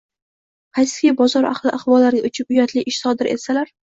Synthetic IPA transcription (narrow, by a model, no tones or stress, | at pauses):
qʰɑjsɪ̥ɡʲabɒzɒɾʔa̰χlˠɪʔaχvɒlːaɾɡʲaʔʊt͡ʃʰɪp̚ʊjat̪lɪʔɪʃsɒd̪ɪɾʔe̞̰t̪salaɾ